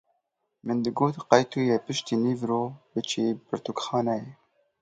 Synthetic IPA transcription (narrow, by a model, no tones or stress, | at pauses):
mɨnd̪ɨɡoːt̪qɑjt̪ʰuːjɛpɨʃt̪iːniːvɾoːbɨt͡ʃʰeːbɨɾt̪ukxɑːnɛjɛ